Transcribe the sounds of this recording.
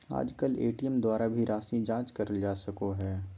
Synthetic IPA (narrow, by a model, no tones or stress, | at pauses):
a̰ːd͡ʒkəlḛːʈijəmd̪waːɾabʱiɾʔaːsĩd͡ʒãːt͡ʃkɐɾəld͡ʒaːsɐkoɦɛː